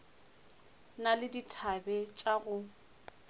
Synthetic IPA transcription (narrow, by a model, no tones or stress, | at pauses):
nalɪditʰabɛt͡ʃʼaɣʊ